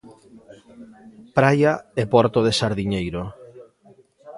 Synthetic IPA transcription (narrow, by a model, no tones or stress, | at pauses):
pɾajaepɔɾt̪oðesaɾðiɲejɾo